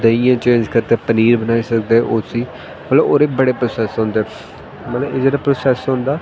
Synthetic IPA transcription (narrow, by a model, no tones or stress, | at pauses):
d̪əijãːt͡ʃẽːɲd͡ʒkəɾt̪eːpəniːɾbənaːiːsəkd̪eːʔosiː | mət̪looːɾeːbəɽeːpɾoːsɛːsɦõːnd̪eː | mət̪ləeːd͡ʒeːɽaːpɾoːsɛːsɦõːnd̪aː